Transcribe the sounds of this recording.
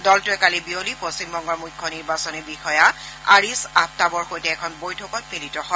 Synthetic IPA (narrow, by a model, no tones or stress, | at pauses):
dɔltʊɛkalibiolipost͡ɕimbɔŋɡɔɹmujkʰːɔniɹbasɔnibixɔja | aɹisap̚tabɔɹxojtɛːkʰɔnbojtʰɔkɔt̚militɔhɔ